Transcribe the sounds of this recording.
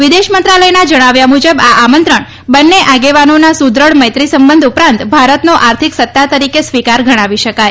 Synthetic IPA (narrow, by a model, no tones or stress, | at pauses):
ʋid̪eʃmənt̪ɾaləjnad͡ʒəɽ̃aʋjamud͡ʒəbaʔamənt̪ɾəɳ | bənːeʔaɡeʋanonasud̪ɾəɭməjt̪ɾisəmbənd̪ʱupɾãnt̪bʱaɾət̪noʔaɾt̪ʰiksət̪ːat̪əɾikesʋikaɾɡʱəɽ̃aʋiʃəkaj